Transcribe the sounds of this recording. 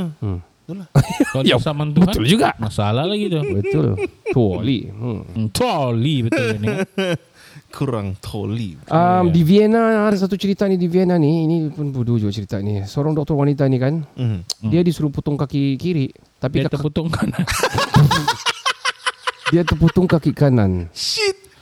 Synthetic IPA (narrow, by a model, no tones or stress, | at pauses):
t̪ulajasamant̪ubəaʊld͡ʒuɡaʔmasalahlaɡit̪ubət̪ʊ̰lolḭ | t̪ʰolibət̪ʊlan | kʰuɾa̰ŋt̪ʰo̰likʔəmdivienaadas̬at̪̬ut͡ʃəɾit̪anidivienanihinipʊnbudud͡ʒuɡat͡ʃəɾit̪anisəoɾaŋdɔk̚t̪ɔrwanit̪anikan | diadisuɾuput̪ʊŋkakikiɾiʔ | t̪apiaak̪t̪əput̪ʊŋkanan | diat̪ərput̪ʊŋkakiʔkananʃit̪̚